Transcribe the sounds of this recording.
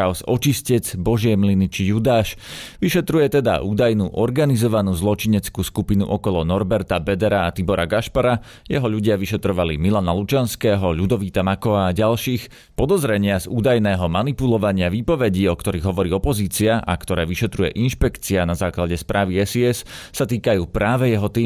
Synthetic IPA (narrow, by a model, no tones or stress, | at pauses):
aʊsɔt͡ʃiscɛd͡zbɔʒɪɛmlinit͡ʃijud̪aːʃʋiʃɛt̪ɾujɛt̪ɛd̪a̰ʔuːd̪ajnuːʔɔɾɡanizɔʋanuːzlˠɔt͡ʃiɲɛt͡skuːskupinṵʔɔkɔlɔnɔɾbɛɾt̪abɛd̪ɛɾaːt̪ibɔɾaɡaʃpaɾa | jɛɦɔʎuɟɪaʋiʃɛt̪ɾɔʋalḭmilanalut͡ʃanskɛːɦɔʎud̪ɔʋiːt̪amakɔʋaːɟalʃiːx | pɔd̪ɔzɾɛɲɪazuːd̪ajnɛːɦɔmanipulɔʋaɲɪaʋiːpɔʋɛɟiːɔkt̪ɔɾiːɣɦɔʋɔɾiːɔpɔziːt͡siaʔa̰kt̪ɔɾɛːʋiʃɛt̪ɾujɛ̰ʔinʃpɛkt͡sianazaːklaɟɛspɾʔaːʋiɛsiɛssat̪iːkajuːpɾaːʋɛjɛɦɔt̪iː